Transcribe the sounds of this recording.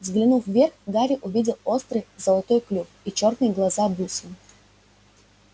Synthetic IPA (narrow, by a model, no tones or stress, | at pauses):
zɡlʲɪnufvʲerxd̪aɾʲiʔʊvʲidʲɪlˠost̪ɾɨjzɐlˠɐt̪ɔjklʲufit͡ɕornɨjɡlˠɐzab̪usɨn